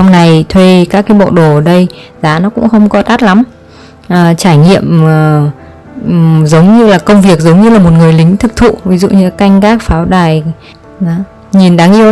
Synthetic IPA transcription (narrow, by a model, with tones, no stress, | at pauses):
a˧wŋ͡mna˨˩jt̪ʰwe˧kaː˦˥k̚ːaː˨˦jɓo̰˧˨ɗo˧˩əː˧˩ɗə˧jzaː˨˦nɔ˨˦kʊ̰˧˥ŋ͡mxə˧wŋ͡mkɔ˨˦t̪aː˦˥t̚la˨˦m | ʔəː˨˩t͡ɕaː˧˩jŋḭ˧˨əmː˨˩ | zə˨˦wŋ͡mɲɨ˧laː˨˩kə˧wŋ͡mvi˨˩ək̚zə˨˦wŋ͡mɲɨ˧laː˨˩mo˨˩t̚ŋɨ˨˩əjlï˨˦ŋ̟t̪ʰɨ˨˧˥k̚t̪ʰṵ˧˨vi˨˦zṵ˧˨ɲɨ˧ka˧jŋ̟kaː˦˥k̚faː˨˦wɗaː˨˩j | zaː˨˦ | ɲi˨˩nɗaː˨˦ŋʔi˧ə